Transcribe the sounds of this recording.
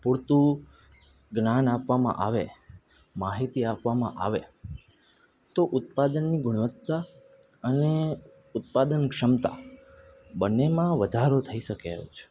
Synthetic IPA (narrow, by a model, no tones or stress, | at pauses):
puɾt̪u | ɡnanapʋamã̰ʔaʋe | maɦit̪iapʋamã̰ʔa̰ʋe | t̪oʔʊt̪̚pad̪ənːiɡʊɽ̃ʋət̪ːa | əne | ʊt̪̚pad̪ənkʂəmt̪a̰ | bənːemãʋəd̪ʱaɾot̪ʰəiʃəkeɦo̰t͡ʃʰe̥